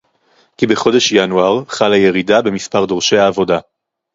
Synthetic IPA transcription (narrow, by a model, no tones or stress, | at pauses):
kibe̞χo̞deʃjanuaʁχalaje̞ʁidabe̞mispaʁd̪o̞ʁʃejaːvo̞da